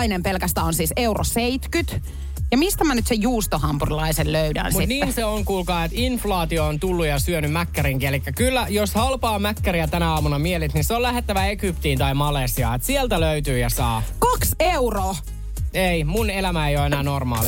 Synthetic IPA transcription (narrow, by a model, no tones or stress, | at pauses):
inempelkæst̪æːonsiːseuro̰seit̪kyt̪ | jɑmist̪æmænyt̪sejuːst̪ohɑmpurilɑiselløydæ̰ːnsmutit̪niːnseoŋkulkɑːet̪inflɑːt̪ioːnt̪ulːujɑsyønymmækːæɾiŋkielikːækylːæjoshɑlpɑːmækːæɾiæt̪ænæɑːmunɑmielit̪ninseolæhet̪ːæʋæeɡypt̪iːnt̪ɑimɑlesiɑ̰et̪sielt̪æløyt̪yːjɑsɑːkɑkseuro | eimunelæmæejoenæːnormɑ̰ːl